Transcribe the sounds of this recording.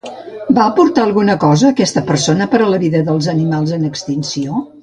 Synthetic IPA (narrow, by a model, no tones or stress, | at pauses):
baəpuɾt̪aəlˠɣunəkɔzəːkɛst̪əpəɾsonəpəɾələβiðəðəlˠzənimalˠzənəkst̪insio